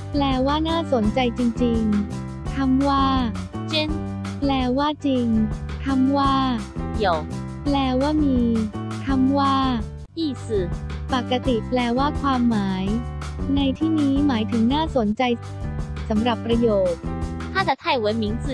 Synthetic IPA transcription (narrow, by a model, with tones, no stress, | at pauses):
plɛː˧waː˥˩naː˥˩so˩˦nt͡ɕa˧jt͡ɕi˧ŋt͡ɕi˧ŋ | t̪ʰa˧˥mwaː˥˩t͡ɕi˦˥n | plɛː˧waː˥˩t͡ɕi˧ŋt̪ʰa˧˥mwaː˥˩i˨˦ə˦w | plɛː˧waː˥˩miː˧t̪ʰa˧˥mwaː˥˩ | ʔiː˥˩sɯ˨˩pa˨˩kːa˧t̪i˨˩plɛː˧waː˥˩kʰwaː˧mːaː˩˦jna˧jt̪ʰiː˥˩niː˦˥maː˩˦jt̪ʰɯ˩˦ŋnaː˥˩so˨˩˦nt͡ɕa˧j | sa˩˦mɾa˨˩pːɾa˧joː˨˩t̪̚t̪ʰaː˥˩sʰa˨˧˥t̪ʰa˧˥˩jwe˨˧˦nmi˨˦ŋs